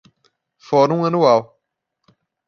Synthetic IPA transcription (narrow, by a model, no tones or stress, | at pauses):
fɔɾũɐnuaw